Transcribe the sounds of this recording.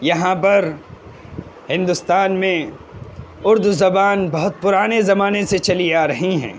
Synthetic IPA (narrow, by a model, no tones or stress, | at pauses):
jɐɦãpɐɾ | hɪ̃nd̪ʊst̪aːnmẽ | ʊɾd̪zɐbaːnbɐɦʊt̪̚pʊɾaːnezɐmaːneset͡ʃɐliaːɾɐɦiɦɛ̰̃ː